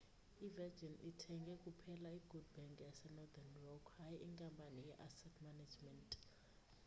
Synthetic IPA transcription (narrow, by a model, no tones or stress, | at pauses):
ivɛd͡ʒinitʰɛŋɡʱɛkʼupʰɛlaiɡ̥ʱudbɛŋkʼjasɛnɔd̪anrɔkʰhajiʔiŋkʼampʼanijɛʔasɛtʰmanad͡ʒmɛntʼ